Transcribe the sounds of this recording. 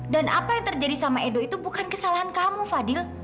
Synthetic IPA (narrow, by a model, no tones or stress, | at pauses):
danʔapajaŋt̪ərd͡ʒadisamaedoit̪ubukankəsalaɦankamufadɪl